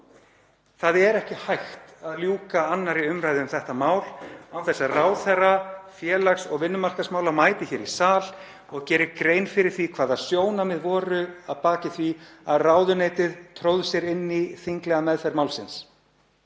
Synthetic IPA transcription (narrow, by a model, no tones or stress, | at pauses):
θaðɛɾɛhcɪhajxt̪aðljuːkaanːaɾiʏmɾaːjðɪʏmθɛht̪amaːwlawθɛsːaraːwθɛrːafjɛːlaksɔɣvɪnːʏmar̥kasmaːwlamaːjt̪ɪçɛɾisaːl | ɔɣcɛːɾɪɾkɾeːjnfɪɾɪɾ̥θvikʰvaːðasjoːwnamɪðvɔːɾʏaðpaːcɪθviaðraːwðʏneːjt̪ɪðt̪ʰɾowðsjɛɾɪnːiθiŋklɛɣamɛðθɛɾmaːwlsɪns